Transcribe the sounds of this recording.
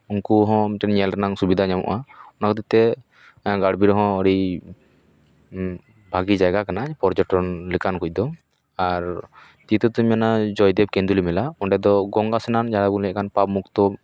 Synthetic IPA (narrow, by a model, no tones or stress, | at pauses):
unkuɦɔ̃mʈɛnɲɛlɾnaŋsubid̪ʱaɲamɔ̰ʔaɔnakɔt̪it̪ɛ | ɡaɽbiɾɔɦɔ̃ɔɽi | bʱaɡid͡ʒajɡakanapɔɾd͡ʒɔʈɔnlɛkankuc̚d̪ɔ | aɾ | t̪it̪ɔt̪umanad͡ʒɔjd̪ɛb̚kɛ̃nd̪ulimɛlaɔɳʈɛd̪ɔɡɔŋɡasɛnand͡ʒaɽabulɛc̚kanpabmukt̪ɔ